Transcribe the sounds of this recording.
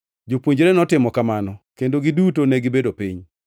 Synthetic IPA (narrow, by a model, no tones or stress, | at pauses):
d͡ʒopwoɲd͡ʒɾenɔtɪmɔkamanɔkendoɡidutoneɡɪbedopiɲ